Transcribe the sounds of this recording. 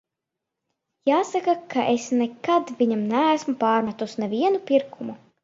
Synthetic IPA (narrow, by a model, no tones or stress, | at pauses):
jaːsakakaʔesnɛkad̪vʲiɲamnæːsmupaːɾmat̪usnɛvʲiɛnupʲiɾkumu